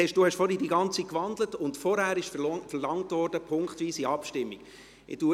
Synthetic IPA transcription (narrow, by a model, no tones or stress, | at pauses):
ɛʃduhɛʃfɔɾidiːɡɑnt͡sitkʋɑndlətʊntfɔɾhæːɾɪʃffɛɾlɑŋtvɔɾd̥əpʰʊŋkχtʋiːsiɑpʃtɪmːiɡ̥ | ɪ̰d̥u